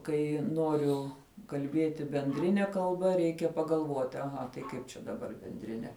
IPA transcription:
ˈkɐɪ ˈnoːrʲʊ kɐlʲˈbʲeːtʲɪ bʲɛnʲˈdʲrʲɪnʲɛ kɐlˠˈbɐ ˈrʲɛɪkʲɛ pɐɡɐlˠˈʋoːtʲɪ ɐˈɣɐ tɐɪ ˈkɐɪp t͡ʃʲɛ dɐˈbɐr bʲɛnʲdʲrʲɪˈnʲɛ

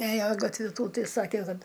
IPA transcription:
ˈeːjoː ɡɐtʲˈʋʲɪ ˈtuː ˈtɐɪ ˈsɑːkʲɛ ˈkɐt

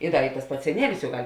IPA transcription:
ɪ ˈdɐ jʊk tɐs ˈpɐts sʲɛˈnʲiɛlʲɪs jʊk ˈɡɐlʲ

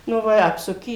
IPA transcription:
ˈnʊ ʋɐ ɪ ˈɑːpsʊkʲɪ

